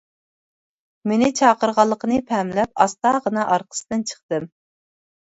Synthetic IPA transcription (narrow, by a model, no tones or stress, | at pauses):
menɪt͡ʃʰɑːqəɾʁɑlˠːəqənɨpʰɛmlɛp̚ɑst̪ɑːʁənɑʔɑɾqʰə̥sɨ̥t̪ɨnt͡ʃʰə̥χt̪ɨm